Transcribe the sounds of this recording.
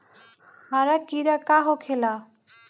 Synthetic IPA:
haɾakiɾakaɦokʰela

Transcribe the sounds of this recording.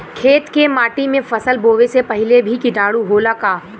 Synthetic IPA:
kʰeːt̪kemaːʈimẽfɐsəlboːʋesepɐɦɪlebʱikɪʈaːɽuɦoːlakaː

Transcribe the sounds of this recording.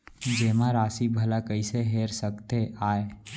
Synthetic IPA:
d͡ʒeːmãɾaːsibʱəlakəiseɦeːɾsəkt̪eʔaːe

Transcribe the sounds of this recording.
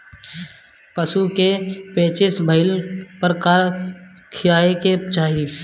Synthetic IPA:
pəsukepẽːt͡ʃɪsbʱəɪlpəɾkaːɾ | kʰɪjaːeket͡ʃaːɦi

